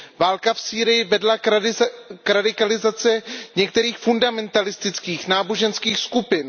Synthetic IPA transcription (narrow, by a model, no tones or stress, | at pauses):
vaːlkafsiːɾɪjɪvɛdla | kɾadɪkalɪzat͡sɛɲɛk̚t̪ɛɾiːxfundamɛnt̪alɪst̪ɪt͡skiːxnaːbo̞ʒɛnskiːxskupɪn